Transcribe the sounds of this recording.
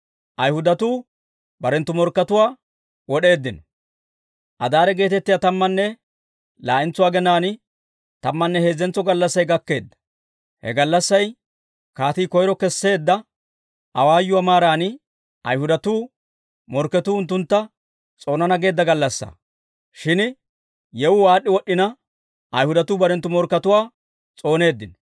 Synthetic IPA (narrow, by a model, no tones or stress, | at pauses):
ʔɐjhʊd̪ɐt̪uː | bɐɾɛnt̪ːʊmɔɾkːɐt̪ʊwaː | wɔɗe̞ːd̪ːɪnɔ | ʔɐd̪aːɾɛɡe̞ːt̪ɛt̪ːɪjaːt̪ɐmːɐnːɛ | laːʔɪnt͡sːʊwaːɡɛnaːnɪ | t̪ɐmːɐnːɛhe̞ːzːɛnt͡sːɔɡɐlːɐsːɐjɡɐkːe̞̰ːd̪ːɐ̥ | hɛ̰ɡɐlːɐsːɐj | kaːt̪iːkɔjɾɔkɛsːe̞ːd̪ːɐ | ʔɐwaːjːʊwamaːɾaːnɪ | ɐ̰jhʊd̪ɐt̪uː | mɔɾkːɛt̪uːʊnt̪ːʊnt̪ːɐ | t͡sʼo̞ːnɐnɐɡe̞ːd̪ːɐɡɐlːɐsːa̰ː | ʃɪn | jɛwʊwaːɗːɪwɔɗːɪnɐ | ʔɐ̰jhʊd̪ɐt̪uːbɐɾɛnt̪ːʊmɔɾkːɐt̪ʊwaː | t͡sʼo̞ːne̞ːd̪ːɪn